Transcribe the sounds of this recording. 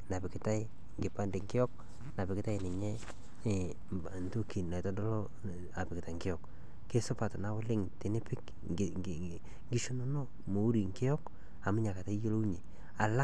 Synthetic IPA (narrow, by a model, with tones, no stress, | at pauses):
na˨pɪ˨kɪ˦ta˦ɪ˦ | ŋɡɪ˨pa˦nde˨ŋkɪ˦jɔ˦k̚ | na˨pɪ˨kɪ˦ta˦ɪ˨nɪ˨ɲɛ˦˨ | nto˦ki˨nna˨tɔ˦dɔ˦lɔ˦ | a˨pɪ˨kɪ˨ta˨ŋɡɪ˦jɔ˨kː | e˦sʊ˦pa˨tna˨˦wɔ˦lɪ˦ŋte˨nɪ˦pɪ˦k | ŋɡi˦ʃu˦no˦no˦ | mo˨u˦ɾi˨ŋkɪ˦ɔ˦k | a˨mʊ˦ɲa˨ka˨ta˦jo˦lo˦u˦ɲe˨ | a˨la˦